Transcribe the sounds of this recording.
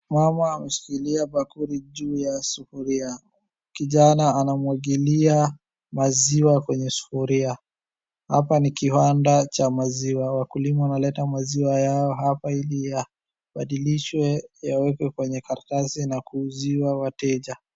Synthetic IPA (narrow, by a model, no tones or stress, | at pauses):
mamaːmɛʃi̥kiliaɓakuɾiʄuːjasufuɾia | kiʄanaːnamwaɠilia | maziwakwɛɲɛsu̥fuɾia | ha̰panikiwandat͡ʃamaziwawakulimawanalɛtamaziwajaɔɦapailija | ɓaɗiliʃwɛjawɛkwɛkwɛɲɛkaɾatasinakuːziwawatɛʄa